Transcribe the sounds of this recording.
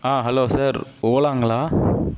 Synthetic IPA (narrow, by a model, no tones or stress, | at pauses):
aːɦɐloːsaːɾoːlaːŋɡɐɭaː